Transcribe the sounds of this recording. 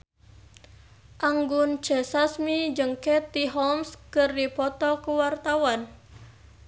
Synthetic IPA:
ʔaŋɡunt͡ʃɛsasmid͡ʒəŋkɛt̪iɦɔmskɨrdipɔt̪ɔkəwart̪awan

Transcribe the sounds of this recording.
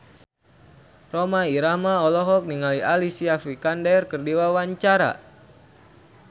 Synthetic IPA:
romaiɾamaɔlɔɦɔk̚niŋalialisiafikandɛrkərdiwawaɲt͡ʃaɾa̰

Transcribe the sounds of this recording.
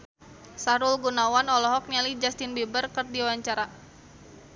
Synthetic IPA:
saɾulɡunawanɔlɔɦɔk̚nalid͡ʒast̪ɪnbebərkɨrdiawaɲt͡ʃaɾa

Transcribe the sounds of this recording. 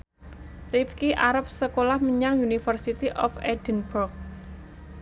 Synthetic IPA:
rifkiʔaɾəp̚səkolahməɲaŋunifərsit̪iʔɔfɛdənburk̚

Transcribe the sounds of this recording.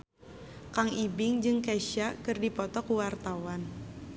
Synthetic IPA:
kaŋibɪŋd͡ʒɨŋkaʃakɨrdipɔt̪ɔkuwart̪awan

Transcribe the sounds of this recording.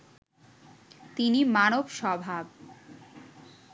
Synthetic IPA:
t̪inimanobʃɔbʱab

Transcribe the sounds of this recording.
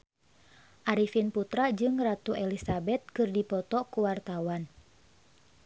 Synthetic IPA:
ʔaɾifinput̪ɾad͡ʒɨŋrat̪uʔɛlisabɛt̪̚kɨrdipɔt̪ɔkuwart̪awan

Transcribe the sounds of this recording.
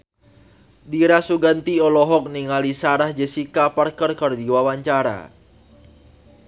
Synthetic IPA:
diɾasuɡant̪iɔlɔɦɔk̚niŋalisaɾahd͡ʒəsikaparkərkərd̪iwawaɲt͡ʃaɾa̰

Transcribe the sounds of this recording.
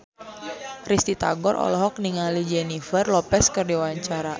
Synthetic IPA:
rist̪it̪a̰ɡɔrʔɔ̰lɔɦɔk̚niŋalid͡ʒɛnifərlɔpɛskɨrdiwaɲt͡ʃaɾa

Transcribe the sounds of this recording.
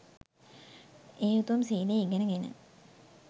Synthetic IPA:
eːut̪uʋɐmsiːd̪eiɡenəɡenə̰

